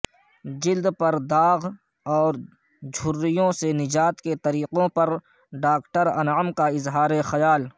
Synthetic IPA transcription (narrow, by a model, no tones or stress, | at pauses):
d͡ʒɪld̪pɐɾd̪aːɣ | ɔːɾ | d͡ʒʱʊɾːɪjõsenɪd͡ʒaːt̪ket̪ɐɾiːqõpɐɾ | ɖaːkʈəɾɐnaːmkaɪzɦaːɾexɐjaːl